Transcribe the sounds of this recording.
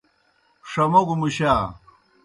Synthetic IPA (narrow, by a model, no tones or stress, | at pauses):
ʂɐmoɡumuɕaː